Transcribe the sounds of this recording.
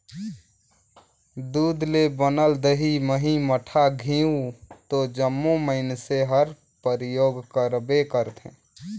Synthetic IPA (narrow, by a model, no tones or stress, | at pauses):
d̪uːd̪lebənəld̪əɦiməɦiməʈʰaɡʱĩːũt̪od͡ʒəmːũməɦɪnseɦəɾ | pəɾjoːɡkəɾbekəɾt̪ʰḛ̃